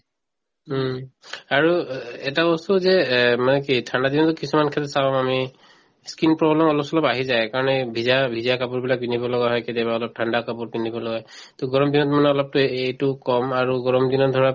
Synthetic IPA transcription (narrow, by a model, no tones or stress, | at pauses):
aɹuɛtabɔstuzɛmanɛkitʰandadinɔtʊkisumankʰɛtɔtsabamami | skinpɹɔblɛmɔlɔpsɔlɔpaɦizajkaɹɔnɛbʱizabʱidijakapʊɹbilak̚binibɔlɔɡaɦɔjkɛdiabaɔlɔp̚tʰandakapuɹbindʱibɔlɔɡaj | tɔɡɔɹɔmdinɔtmanɛɔlɔp̚tʊejtʊkɔmaɹuɡɔɹɔmdinɔt̚dʱɔɹa